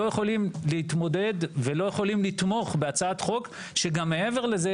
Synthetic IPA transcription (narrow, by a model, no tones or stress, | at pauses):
ojeχo̞limlehit̪mo̞d̪e̞d̪velo̞jeχo̞limlit̪mo̞χbeat͡saat̪χo̞k | ʃeɡamːe̞e̞ve̞ʁleze